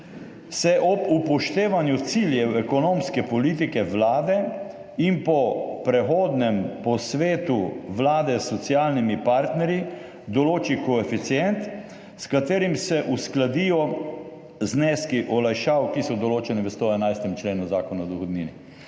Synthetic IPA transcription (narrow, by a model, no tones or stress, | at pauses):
sɛʔɔbupɔʃt̪eːʋanjut̪siljɛwɛkɔnoːmskɛpɔliːt̪̬ikɛʋlaːd̪ɛ | inpɔpɾɛxoːd̪nɛmpɔsʋeːt̪uʋlaːd̪ɛsːɔt̪sjaːlnimipaɾt̪nɛɾji | d̪ɔloːt͡ʃikɔɛfit̪sjɛnt̪ | skat̪eːɾimsɛʔusklad̪ijɔ | znɛskiʔɔlajʃaːwkisɔd̪ɔloːt͡ʃɛniʋəst̪ɔɛnajst̪ɛmt͡ʃleːnuzaːkɔnaɔd̪ɔxɔd̪nḭːnḭ